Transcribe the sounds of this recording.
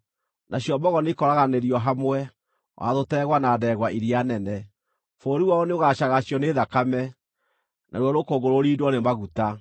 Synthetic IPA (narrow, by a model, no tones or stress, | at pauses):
nʔaɕjɔbɔɣɔnekɔɾaɣaneɾiɔɦamwɛ | wʔa̰ðotɛɣwanadɛɣwaʔiɾianɛnɛ | foːɾiwaɔneoɣaɕaɣaɕjɔneːðakamɛ | nʔa̰ɾwɔɾokoɡoɾoɾiːdwɔnemaɣuta